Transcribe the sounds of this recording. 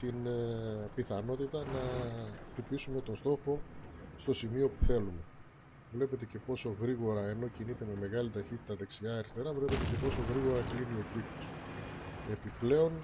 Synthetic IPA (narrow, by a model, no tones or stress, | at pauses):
t̪in | piθɐno̞t̪it̪ɐnɐxθipisume̞t̪o̞nst̪o̞xo̞st̪o̞simio̞puθe̞lume̞ | vle̞pe̞t̪e̞ce̞po̞so̞ɣɾiɣo̞ɾɐeno̞cinit̪e̞me̞me̞ɣɐlit̪ɐçit̪it̪ɐðeksiɐːɾist̪e̞ɾɐvle̞pe̞t̪e̞ce̞po̞so̞ɣɾiɣo̞ɾɐklinio̞cikt̪os | e̞piple̞o̞n